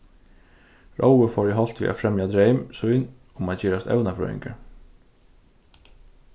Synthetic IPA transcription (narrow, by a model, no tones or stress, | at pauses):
ɹʔo̰wəfɔːɹɪɦɔl̥t̪ʋḭːʔa̰fɾɛmjad̪ɾejmsʊjn | ʊmaðt͡ɕɛːɾast̪ɛ̰wnafœ̰ːɪ̰ŋkə̰ɾ